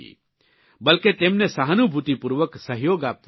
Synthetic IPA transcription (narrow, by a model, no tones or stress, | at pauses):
ḭ | bɐlket̪emnesəɦənubʱut̪ipuɾʋəksəɦjoːɡaːp̪̚